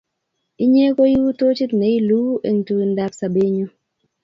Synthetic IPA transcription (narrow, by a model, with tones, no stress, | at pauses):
i˦ɲe˦ko˦ji˦to˦t͡ʃi˦tne˨˦i˦lu˦ʔḛ˨ŋtu˨nda˧psa˨be˦ɲu˦